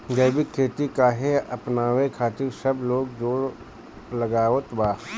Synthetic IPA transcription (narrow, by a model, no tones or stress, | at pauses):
d͡ʒɐbikʰeːt̪ikaːɦeɐpnaːwekʰaːt̪ɪsɐbloːɡd͡ʒoːɽ | lɐɡaːot̪baː